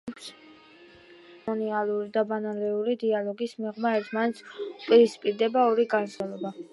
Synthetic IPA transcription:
ps | ɔnialˠuɾid̪abanalɛuɾid̪ialˠɔɡismɛʁmaɛɾt̪ʰmanɛt̪sʰupʼiɾispʼiɾd̪ɛbaɔɾiɡanzɛlˠɔba

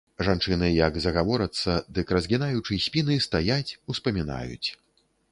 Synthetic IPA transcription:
ʐant͡ʂɨnɨjɐɡzɐɣavɔɾɐt̪sːɐd̪ɨkɾɐzɣʲinajut͡ʂɨsʲpʲinɨst̪ajat͡sʲuspɐmʲina̰jṵt͡sʲ

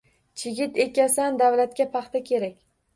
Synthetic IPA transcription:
t͡ʃʰɪɡʲɪt̪e̞kʲasand̪avlat̪kʲapʰɑχt̪ʰakʲʰe̞ɾakʲ

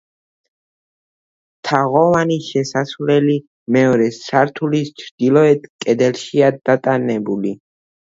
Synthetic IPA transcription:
t̪ʰaʁɔvaniʃɛsasvlɛli | mɛɔɾɛsaɾt̪ʰulist͡ʃʰɾd̪̥ilˠɔɛt̪ʰkʼɛd̪ɛlʃiad̪at̪ʼanɛbuli

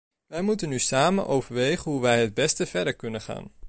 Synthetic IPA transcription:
ʋɛjmutənysaːmə̰nʔowvəɹʋejχənɦuʋɛjɦəd̚bɛstəv̥ɛɹdəɹkɵnənχa̰ːn

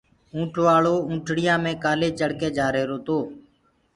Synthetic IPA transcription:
ũːʈʰʋaːɭoːũːʈʰɽɪjãːmẽːkaːleːt͡ʃəɽkeːd͡ʒaːɾeːɾoːt̪oː

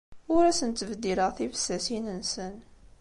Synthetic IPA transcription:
ʊɾæsənt̪ːəvd̪iləʁθifə̥sːæsinənsən

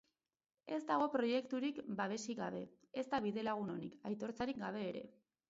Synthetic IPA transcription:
e̞zd̪aɣ̞o̞pɾo̞je̞kt̪uɾikbaβ̞e̞siɣaβ̞e̞ | ezt̪aβ̞iðe̞laɣ̞uno̞nikajt̪o̞ɾt͡saɾikɡaβ̞e̞ːɾe̞̰

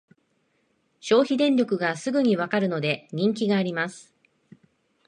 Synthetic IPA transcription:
ɕo̞ːçid̪ẽ̞ɲɾʲo̞kɯ̟ɡasɨɡɯ̟ɲ̟iβakaɾɯ̟no̞d̪e̞ɲ̟ĩŋk̬ʲiɡaːɾʲimasɨ̥

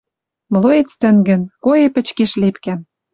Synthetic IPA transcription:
m̆lˠoet͡st̪ə̆ŋɡə̆nkojepɘ̆t͡ɕkeʃlepkæm

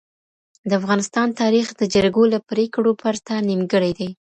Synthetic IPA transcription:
d̪əafɣɑnɪst̪ɑnt̪ɑɾixd̪əd͡ʒəɾɡolapɾekɽopaɾt̪animɡəɽajd̪aj

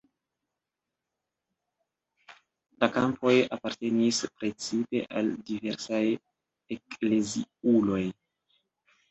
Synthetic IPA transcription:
lakampʰo̞japaɾte̞nispɾe̞t͡sipe̞̰ʔaldive̞ɾsaj | ekleziulo̞j

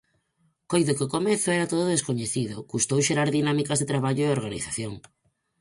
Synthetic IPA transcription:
kojðʊkɪʊkomɛθʊɛɾat̪oðʊðeskoɲeθiðʊ̰kust̪owʃeɾaɾðinamikazðet̪ɾaβaʎʊeoɾɣanḭθaθjoŋ

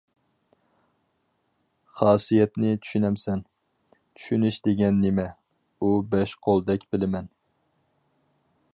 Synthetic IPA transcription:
χɑːsijɛt̪nɪt͡ʃʰy̥ʃynɛmsɛn | t͡ʃʰy̥ʃynyʃd̪eɡʲɛnːɪmɛ | ubɛʃqʰolˠd̪ɛkʲbɪlɪmɛn

